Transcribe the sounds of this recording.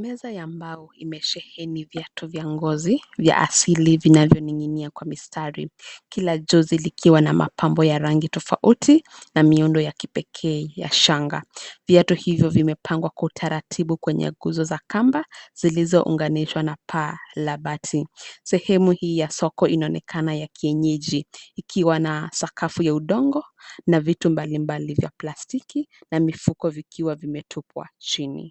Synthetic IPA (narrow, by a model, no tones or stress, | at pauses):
mɛzajambaɔḭmɛʃɛhɛnivjatʰuvjaŋɡɔzivja̰ʔa̰silivinavjɔniŋiniakwamistʰaɾikilaʄɔzilikʰiwana̰ma̰pʰambɔjaɾaŋɡitɔfaʔutʰinamiundɔjaki̥pɛkʰɛːja̰ʃaŋɡa̰vjatuhivjɔvimɛpʰaŋɡwakwautʰaɾatʰiɓukwɛɲɛ̰ɡuzɔzakambaz̥ilizɔʔṵŋɡaniʃwanapʰalaɓatʰisɛhɛmuhiːjasɔkɔinaɔnɛkʰanajakʰiɛɲɛʄiːkʰiwanasakʰafujauɗɔŋɡɔnavitumbalimbalivja̰plastikinamifukɔvikʰiwavimɛtʰupwa̰t͡ʃinḭ